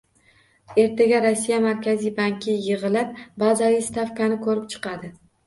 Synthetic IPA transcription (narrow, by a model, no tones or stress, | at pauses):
e̞ɾt̪ʰeɡʲaɾasːijamaɾkʲʰazijbaŋkʲʰɪjɨʁɨlɪp̚bazavist̪afkanɪkʰɵɾɪp̚t͡ʃʰɨ̥qɑd̪ɪ